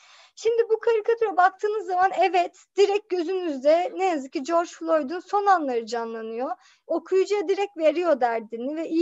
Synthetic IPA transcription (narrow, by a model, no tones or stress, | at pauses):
ʃimd̪ibukʰaɾikʰat̪ʰuɾabak̚t̪ʰɯːnɯzːamanɛvɛt̪d̪̥iɾɛc̚ɟø̞zynyzd̪ɛnejazɯkcːid͡ʒo̞ɾd͡ʒflˠo̞jd̪ynso̞nanlˠaɾɯd͡ʒanlˠanɯjo | okʰujud͡ʒajad̪iɾɛc̚t̪ve̞ɾijo̞d̪æɾd̪inivɛʔi